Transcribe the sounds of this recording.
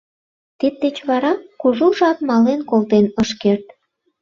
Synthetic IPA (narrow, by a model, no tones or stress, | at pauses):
t̪id̪̚d̪et͡ɕβɑɾɑkuʒuʒɑpmɑlenkolt̪enəʃkert̪̚